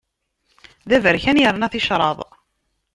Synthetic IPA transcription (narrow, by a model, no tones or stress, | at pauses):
ðævəɾçænjəɾˤnæθɪʃɾˤɑ̰ðˤ